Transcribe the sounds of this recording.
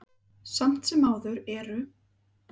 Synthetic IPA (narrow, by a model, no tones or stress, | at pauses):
sam̥t̪sɛmaːwðʏɾɛɾʏ